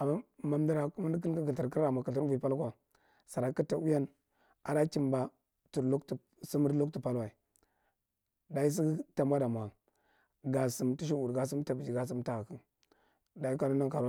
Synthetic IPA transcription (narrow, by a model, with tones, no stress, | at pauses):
a˨mːa˦ma˨m˦di˦ɾa˨ku˦ma˦ni˦k̬i˦n˦ka˦ki˨ti˨ɾki˦ɾa˨mʷ˨a˨kə˨ti˦ɾvpa˦lkwa˨ | sa˨ɾa˨ki˦ta˨u˦ja˦n | a˨ɾa˦ki˨mba˨˦ | tu˨ɾlu˦kt | si˦mu˦ɾlu˦ktu˨pa˦lwa˨i˨ | da˨ji˦s̬i˦ta˨mʷ˦a˦da˨mʷ˨a˨ | ɡa˨si˨mtu˦ʃ̬i˦u˨ɾɡa˨s̬i˦mta˨bi˨d͡ʒi˨ɡa˦s̬i˦mta˨ɣa˨ki˦n | da˨ji˦ka˦nu˦n˦a˦ŋka˨ɾa˦